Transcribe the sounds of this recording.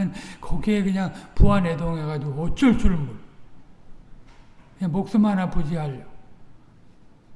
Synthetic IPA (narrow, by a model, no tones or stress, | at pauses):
ʌnkʰʌɡie̞kɯɲaŋpuanedoŋeɡad͡ʑiɡoʌt͡ɕ͈ʌɭt͡ɕ͈ʰuɾɯnbʌ | kɯɲaŋmok̚s͈ɯmɭhanapud͡ʑiɦaʎːʌ